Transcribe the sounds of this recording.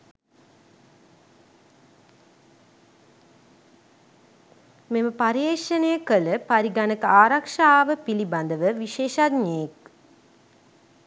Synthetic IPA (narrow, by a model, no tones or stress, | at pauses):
meməpaɾeːʂənejəkələpaɾiɡanəkəaːɾakʂaːʋəpiliband̪əʋəʋiʃeːʃad̪ɲəjek